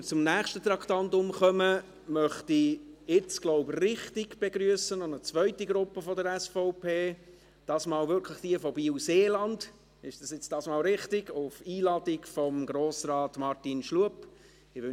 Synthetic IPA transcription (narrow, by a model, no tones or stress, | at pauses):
ət͡sʊmnæːχʃtət̪ɾɑktɑntʊmχœmə | mœχtiɪt͡sɡ̥lɔʊbrɪχtɪɡb̥eɡɾyəsənɔnət͡svœʏtiɡɾʊpːəfɔdəɾɛsfɔʊpʰeː | d̥ɑːsmɑːlvʏɾkʰləχd̥iəfɔbiːuseːlɑnd̥ | ɪʃd̥ɑsjɪt͡sd̥ɑːsmɑːlɾɪχtɪɡʊfiːlɑd̥ɪkfɔmɡɾoːsrɑːtmɑrtinʃluəp | ɪʋø